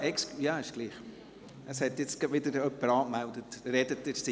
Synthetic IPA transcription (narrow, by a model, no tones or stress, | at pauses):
ɛkskjɑːɪʃɡ̥liːχ | əshɛtjɪt͡stɡɑbʋɪdəɾœpːəɾɑːkmældətɾɛdətːɪssi